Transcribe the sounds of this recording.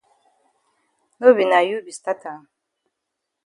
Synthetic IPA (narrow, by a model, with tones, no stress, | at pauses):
no˦bi˨na˨ju˦bi˨st̪a˦ta˨